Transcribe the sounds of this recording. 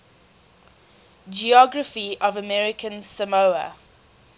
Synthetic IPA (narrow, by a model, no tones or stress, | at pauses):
d͡ʒiɔɡɹəfiəvəmɛɹɪkʰə̃nsəmoʊə̰